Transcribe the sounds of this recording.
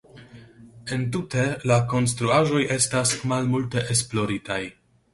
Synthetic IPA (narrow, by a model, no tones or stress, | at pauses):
e̞ntute̞lako̞ns̬tɾuaʒo̞jʔe̞stasmalmulte̞ʔesplo̞ɾitaj